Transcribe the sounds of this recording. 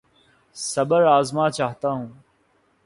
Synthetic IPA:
sɐbəɾaːzmaːt͡ʃaːɦt̪aːɦũː

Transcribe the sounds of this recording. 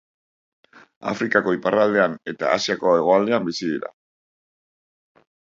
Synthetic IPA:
a̰fɾikako̞iparald̪e̞ane̞t̪a̰ːsiako̞e̞ɣ̞o̞ald̪e̞ambisiðiɾa̰

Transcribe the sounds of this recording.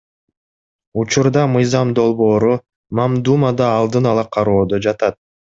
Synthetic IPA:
ut͡ʃuɾd̪ɑmɯjzɑmd̪o̞lˠβo̞ːɾu | mɑmd̪umad̪ɑːlˠd̪ɯnɑlˠɑqʰɑɾo̞ːd̪od͡ʒɑt̪ɑt̪̚

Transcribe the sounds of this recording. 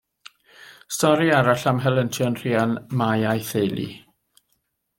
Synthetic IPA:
stɔɾiaɾaɬamɦɛlˠəntʰjɔnr̥ianmajajθejlˠḭ

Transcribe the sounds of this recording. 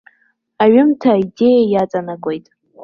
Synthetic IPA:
aɥɪmtʰaide̞jajat͡sʼanaɡʷʼojtʼ

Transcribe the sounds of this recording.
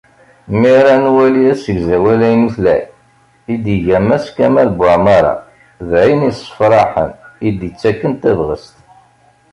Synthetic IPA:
miɾænwæliæsəɡzæwælæjənuθlæj | id̪iʝæmæskæmæðbaʕmɑɾˤɑ̰ | ðʕinisə̥fɾˤɑħə̰nid̪jət͡sːækːənt̪ævʁə̰st̪

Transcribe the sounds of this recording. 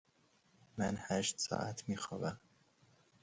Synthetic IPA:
mænhæʃt̪sɒ̰ːʔæt̪ʰmiːxɒ̰ːvæm

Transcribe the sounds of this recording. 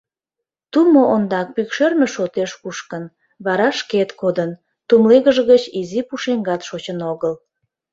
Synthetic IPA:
t̪umoʔond̪ɑk̚pykʃørmə̆ʃot̪eʃkuʃkən | βɑɾɑʃket̪kod̪ən | t̪umleɣəʒəɣət͡ɕizipuʃeŋɡɑt̪ʃot͡ɕənoɣəl

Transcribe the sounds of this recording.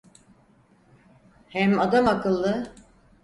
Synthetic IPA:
hɛmad̪amakɯlˠːɯ

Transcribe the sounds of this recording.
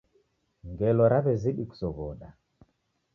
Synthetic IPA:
ŋɡɛlɔɾaβɛziɗiku̥sɔβɔɗa

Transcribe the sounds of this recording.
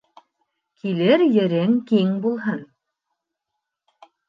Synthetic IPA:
kʰilɘɾjɘ̆ɾɘŋkiŋbulˠɦɤn

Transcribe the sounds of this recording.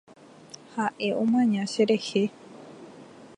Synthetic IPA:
haʔe̞ʔõmãɲãʃe̞ɾehe

